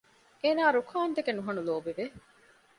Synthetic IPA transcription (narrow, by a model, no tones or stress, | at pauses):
eːnaːɾukʰaːnt̪ekenuɦɐnuloːbiʋe